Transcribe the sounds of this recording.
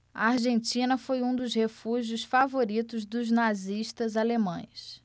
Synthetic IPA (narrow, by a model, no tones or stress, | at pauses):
ɐ̰aɾʒẽnt͡ʃĩnɐfojũd̪ʊzhefuʒjʊsfavoɾit̪ʊzd̪ʊznaziʃt̪ɐzalemɐ̃j̃s